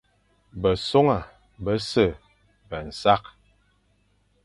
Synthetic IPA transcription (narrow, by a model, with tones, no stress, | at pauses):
bə˨so˦ŋa˨ | bə˦sə˦˨ | bə˨n̩˨sa˦k̚